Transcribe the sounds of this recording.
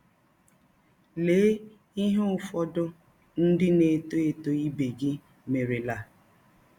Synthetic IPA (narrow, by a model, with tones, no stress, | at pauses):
leː˨˦ | i˦ɦe˦ʊ˨fɔ˦dʊ˦ | n̩˦dɪ˦ne˨to˦e˨to˦i˦be˨ɡɪ˦ | me˨ɾɪ˨la˨